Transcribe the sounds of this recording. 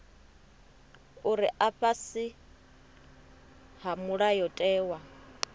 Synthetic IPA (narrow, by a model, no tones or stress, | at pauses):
uɾiʔaɸasi | hamuɺajɔtʼɛːwa